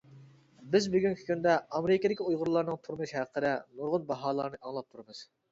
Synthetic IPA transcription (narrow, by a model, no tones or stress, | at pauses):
bɪzbyɡʲyŋʲkʲʰi̥kʲynd̪ɛɑmeɾɪkʲed̪ɪkʲiujʁʊɾlˠɑɾnɨŋt̪ʰuɾmɨʃhæqʰəd̪ɛnuɾʁʊnbɑɦɑːlˠɑɾnɨʔɑŋlˠɑp̚t̪ʰuɾɨmɨz̥